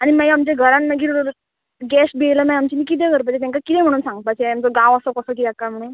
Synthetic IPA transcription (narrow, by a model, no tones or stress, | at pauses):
animajamt͡ɕãɡʱəɾãnnəɡiːɾ | ɡɛsbejləmãjamt͡ɕinikit̪̬eɡʱəɾp̬at͡ɕet̪jaŋkakit̪ɛ̃m̤əɽ̃uːnsãŋɡət̪̚paseamt͡sɔɡãʋəsəkəsəːk̬it̪ɛakːam̤əɽ̃uːn